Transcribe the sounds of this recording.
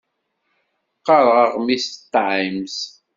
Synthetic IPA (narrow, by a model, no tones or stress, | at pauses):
qːɑɾˤʁɑʁmist̪ːʕims